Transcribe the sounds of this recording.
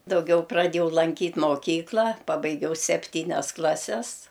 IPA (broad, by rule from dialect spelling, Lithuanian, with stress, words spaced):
dɐʊˈɡʲɛʊ prɐˈdʲeːjɛʊ lˠɐŋʲˈkʲiːtʲ moːˈkʲiːklˠɐ ˈpɑːbɐɪɡʲɛʊ sʲɛpʲˈtʲiːnʲɛs ˈklˠɑːsʲɛs